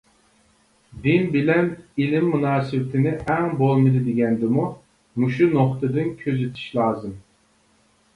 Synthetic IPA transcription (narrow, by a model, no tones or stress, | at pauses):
d̪ɪnbɪlɛnilɪmːunɑːsɨwɪt̪ʰɪnɪʔɛŋbolˠmɨd̪ɨd̪ɪɡʲɛnd̪ɪmu | muʃunoχt̪ʰɨd̪ɨnkʲʰøzet̪ʰi̥ʃlˠɑːzɨm